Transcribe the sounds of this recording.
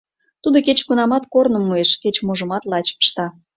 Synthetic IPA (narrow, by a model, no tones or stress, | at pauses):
t̪ud̪oket͡ɕkunɑmɑt̪kornə̆mːueʃket͡ɕmoʒəmɑt̪lɑt͡ɕə̥ʃt̪ɑ